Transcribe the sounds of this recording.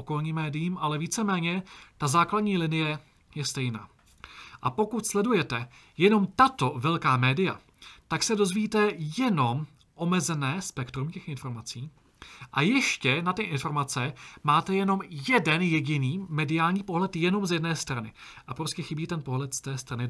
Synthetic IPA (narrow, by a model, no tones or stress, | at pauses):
oko̞lɲiːmːɛːdɪjiːmʔalɛviːt͡sɛmɛːɲɛt̪azaːkladɲiːlɪnɪjɛ | jɛst̪ɛjna̰ː | ʔapo̞kut̪slɛdujɛt̪ɛjɛno̞mt̪at̪o̞vɛlkaːmɛːdɪja̰ | t̪aksɛdo̞zviːt̪ɛjɛno̞m | ʔo̞mɛzɛnɛːspɛkt̪ɾumcɛxʔɪnfo̞ɾmat͡siː | ʔajɛʃcɛnat̪ɪʔɪnfo̞ɾmat͡sɛmaːt̪ɛjɛno̞mjɛdɛnjɛɟɪniːmɛdɪaːlɲiːpo̞ɦlɛt̪jɛno̞mzjɛdnɛːst̪ɾanɪ̰ | ʔapɾo̞scɛxɪbiːt̪ɛnpo̞ɦlɛt̪st̪ɛːst̪ɾanɪ